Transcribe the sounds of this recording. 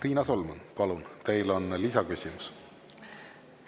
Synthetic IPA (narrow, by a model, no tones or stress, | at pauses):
riːnɑso̞lmunpɑlunt̪e̞jlo̞nlisɑkysʲimus